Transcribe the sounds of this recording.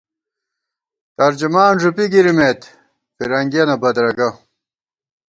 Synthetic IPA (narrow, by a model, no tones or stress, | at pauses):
t̪ɐɾd͡ʑumaːnʐupiɡiɾimeːt̪ | fiɾɐŋɡenɐbɐd̪ɾɐɡɐ